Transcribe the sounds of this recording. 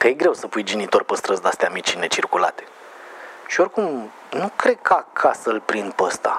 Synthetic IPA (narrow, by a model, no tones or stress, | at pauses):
kəjeɡɾe̞wsəpujd͡ʒinit̪o̞rpəst̪ɾəsd̪ast̪eamit͡ʃine̞t͡ʃirkula̰t̪e̞̥ | ʃiorkum | nukɾe̞d̪̚kəakʰasəlpɾind̪̚pəst̪a̰